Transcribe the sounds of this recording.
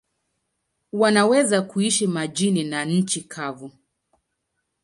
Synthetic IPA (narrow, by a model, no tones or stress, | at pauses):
wanawɛzakuiʃimad͡ʒininaɲ̩t͡ʃikʰavu